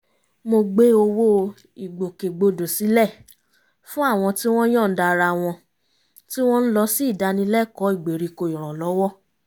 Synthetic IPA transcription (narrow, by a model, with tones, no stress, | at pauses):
mo˧ɡ͡be˦o˧wo˦ | i˨ɡ͡bo˨ke˨ɡ͡bo˧do˨si˨˦lɛ˦˨ | fũ˦a˦˨w̃ɔ̃˧ti˦w̃ɔ̃˦j̃ɔ̃˦˨n̩˦da˧ɾa˧˨w̃ɔ̃˧ | ti˦w̃ɔ̃˦n̩˦lɔ˧si˦˨da˧˦nĩ˧˦lɛ˦˨kɔ˨˦i˦˨ɡ͡be˨ɾi˨˧ko˧i˨ɾ̃ɔ̃˨lɔ˨˦wɔ˦